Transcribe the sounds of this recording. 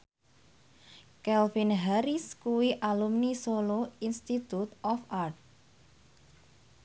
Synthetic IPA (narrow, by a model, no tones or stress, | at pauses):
kɛlfinɦaɾiskuwiʔalumnisoloinst̪it̪ut̪ɔfʔart̪̚